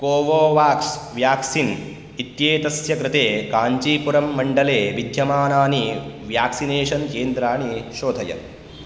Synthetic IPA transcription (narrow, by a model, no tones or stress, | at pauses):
koːʋoːʋaːksʋjaːksin | it̪jeːt̪ɐsjɐkɾɪt̪eːkaːɲt͡ʃiːpuɾɐmːɐɳɖɐleːʋid̪ʱjɐmaːnaːniʋjaːksineːʃɐnkeːnd̪ɾaːɳiʃoːd̪ʱɐjɐ̰